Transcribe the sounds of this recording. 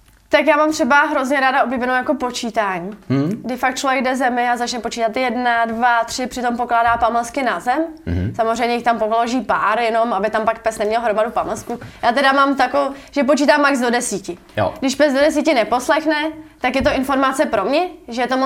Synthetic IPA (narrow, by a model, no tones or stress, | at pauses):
t̪akjaːmamt̪r̥ɛbaɦɾo̞zɲɛɾaːdaʔobliːbɛnowjako̞po̞t͡ʃiːt̪aːɲiːɡdɪfak̚t̪t͡ʃlovjɛɡdɛzɛmɪazat͡ʃnɛpo̞t͡ʃiːt̪at̪jɛdnadvat̪r̥ɪpr̥ɪt̪o̞mpo̞klaːdaːpamlɛskɪnazɛmsamozrɛjmɲɛjɪxt̪ampoloʒiːpaːɾjɛno̞mabɪt̪ampak̚pɛsnɛmɲɛlɦɾomadupamlɛskujaːt̪ɛdamaːmt̪akoʒ̥ɛp̬o̞t͡ʃiːt̪aːmːaɡzdo̞dɛsiːcɪ̰ | ɡdɪʃpɛzdo̞dɛs̬iːcɪnɛpo̞slɛxnɛt̪akjɛt̪o̞ɪnfo̞ɾmat͡sɛpɾo̞mɲɛʒɛjɛt̪om